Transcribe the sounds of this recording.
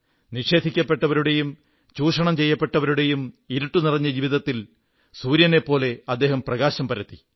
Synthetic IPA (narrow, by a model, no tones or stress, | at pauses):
niʂe̞ːd̪ʱikʲːɐpːe̞ʈːɐʋɐɾuɽe̞jum | t͡ɕuːʂɐɳɐmt͡ɕejːɐpːe̞ʈːɐʋɐɾuɽe̞jum | iɾuʈːunirɐɲːɐd͡ʑiːʋiðɐt̪ːil | suːɾjɐne̞pːo̞ːle̞ɐd̪ːe̞ːɦɐmprɐɣaːɕɐmpɐɾɐt̪ːi